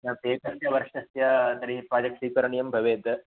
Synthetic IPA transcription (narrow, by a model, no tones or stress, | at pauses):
nɐp̪eːkɐsjɐʋɐɾʂɐsjɐsɐɾiɦipɾaːd͡ʒɐk̚ʈsiːkɐɾɐɳijɐmbʱɐʋeːd̪